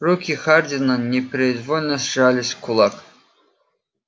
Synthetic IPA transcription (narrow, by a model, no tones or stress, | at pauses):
ɾukʲixard̪ʲɪnanʲɪpɾʲɪd̪vɔlʲnəsʐalʲɪsʲkʰʊlˠak